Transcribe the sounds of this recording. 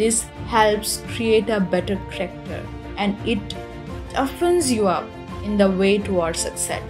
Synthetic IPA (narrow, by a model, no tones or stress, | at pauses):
d̪ɪs | hɛlpskɾieːʈəbɛʈəɾkəɾɛk̚ʈə̰ɾ | ɛ̃ɳɪʈ | ɔfə̃nzjuʌp | ɪ̃nd̪əʋeːʈuɔːɖsəksɛ̰ʈ